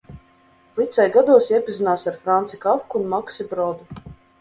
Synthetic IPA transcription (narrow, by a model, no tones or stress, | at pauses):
lˠit̪sʲɛjɡad̪uɔsjɛpizinaːsaɾfɾant̪sikafkunmaksibɾɔd̪u